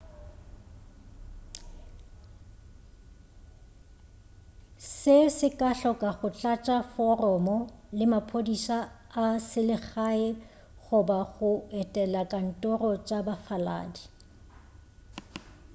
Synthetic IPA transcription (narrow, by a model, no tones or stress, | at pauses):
sɪsɪkʼaɬɔkʼaɣʊt͡ɬʼat͡ʃʼafɔrɔmɔlɪmapʰodisa | asɪlɪχaɪ | ɣʊbaɣʊɛtʼɛlakʼan̩tʼɔrɔt͡ʃʼabafala̰ːdi